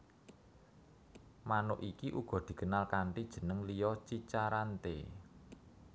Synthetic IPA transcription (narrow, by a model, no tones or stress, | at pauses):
manʊʔikiʔuɡ̥ɔ̤d̪̥i̤ɡ̥ənalkaɳʈid̥ʒ̥ə̤nəŋlijɔt͡ʃit͡ʃaɾant̪ḛ